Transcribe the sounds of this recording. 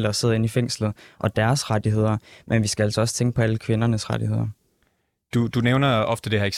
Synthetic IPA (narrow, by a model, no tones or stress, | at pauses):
l̰ɐɒse̝ð̰ˠe̝nifeŋ̰slð̩ˠʔɒ̽d̥æɐsʁɑd̥iɦe̝ðˠɐmʔenʋisɡ̥ææl̰sɒ̽ɒ̽sə̥t͡sʰeŋɡ̥əpʰɒ̽æləkʰʋe̝nɐnəsʁɑ̈dihe̝ð̞̰ˠɐ | d̥ud̥uneʊnɐɒ̽fd̥əd̥ehæɐeɡ